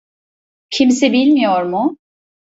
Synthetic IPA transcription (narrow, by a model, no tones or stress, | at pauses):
cʰimsɛbilʲmijoɾmʊ